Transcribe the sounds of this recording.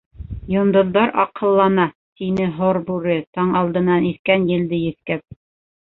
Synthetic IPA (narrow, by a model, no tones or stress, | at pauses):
jŏnd̪ŏðːɑɾʔɑ̰qɤ̆lˠːɑnɑ | t̪inɘɦoɾbʉɾɘt̪ɑɴɑlˠd̪ɤ̆nːɑniθkænjɘ̆ld̪ɘjɘ̆θkæp̚